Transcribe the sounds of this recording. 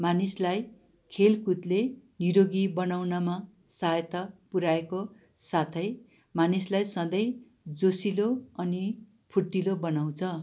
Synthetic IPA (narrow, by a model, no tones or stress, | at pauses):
manislaj | kʰelkut̪leniɾoɡibʌnawnʌma | saet̪ʌpuɾaeko | sat̪ʰʌj | manislajsʌd̪ʌj | d͡zosiloʌni | pʰuʈːilobʌnaw̃t͡sʰʌ